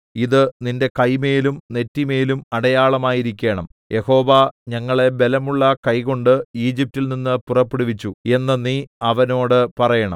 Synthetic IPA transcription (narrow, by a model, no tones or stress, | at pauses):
iðɨninde̞kɐjme̞ːlumne̞tːime̞ːlumɐɽɐjaːɭɐmaːjiɾikʲːe̞ːɳɐm | jʔe̞ho̞ːʋɐɲɐŋːɐɭe̞be̞lɐmuɭːɐkɐjko̞ɳɖɨiːd͡ʑip̚tilninːɨpurɐpːeɽuʋit͡ɕːue̞nːɐniɐʋɐno̞ːɽɨpɐrɐjɐɳɐ̰m